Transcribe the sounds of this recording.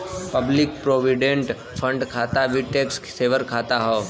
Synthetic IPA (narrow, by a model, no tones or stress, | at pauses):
pɐblɪk̚pɾoːʋɪɖẽɳʈ | pʰə̃ɳɖkʰaːt̪aʋiʈeːkskseːʋəɾkʰaːt̪aɦoː